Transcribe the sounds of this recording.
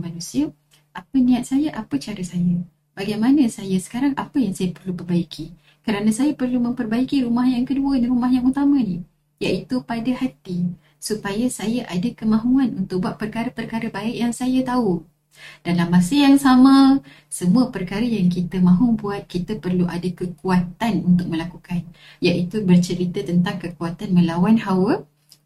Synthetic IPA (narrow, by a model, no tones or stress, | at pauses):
manũsiə | ʔapənĩat̪̚sajaʔapət͡ʃaɾəsaja | b̥aɡajmanəsajasə̥kaɾaŋapəjaŋsajapərlupərbaikʰi | kəɾanasajapərlumə̃mpərbaikiɾumahjaŋkəduəniɾumahjaŋut̪amãni | jaʔit̪upadahat̪i | supajasajaʔadakəmãɦuanunt̪ʊk̚buaʔpːərkaɾəpərkaɾəbaɪʔjaŋsajat̪au | d̥alamːasəjaŋsamã | səmũəpərkaɾəjaŋkit̪əmãɦubuat̪̚kit̪əpərluʔadakəkuat̪anunt̪ʊk̚mə̃lakukan | jaʔit̪ubərt͡ʃəɾit̪ət̪ənt̪aŋkəkuat̪anmə̃lawanhawə